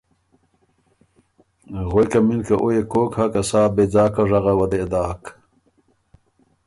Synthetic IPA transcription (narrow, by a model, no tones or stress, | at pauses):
ɣojkɐminkɐʔojekoːkhɐkɐsaːbed͡zaːkɐʐɐʁɐwɐd̪ed̪aːk